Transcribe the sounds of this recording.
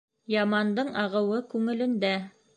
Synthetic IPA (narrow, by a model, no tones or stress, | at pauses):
jɑmɑnd̪ɤɴɑʁɤ̆wɤkʉŋɘ̆lɘ̆nd̪æ